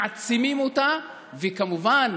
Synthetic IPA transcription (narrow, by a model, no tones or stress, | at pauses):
at͡simimota | vikamuvan